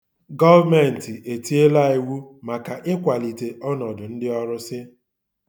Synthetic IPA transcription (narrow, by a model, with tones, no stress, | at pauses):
ɡɔ˦vme˨n̩˨tɪ˨ʔe˨ti˦e˦la˦i˨wu˦ma˨ka˨ʔɪ˦kʷa˨li˨te˨ʔɔ˦nɔ˨dʊ˨n̩˦dɪ˦ɔ˦ɾʊ˦sɪ˦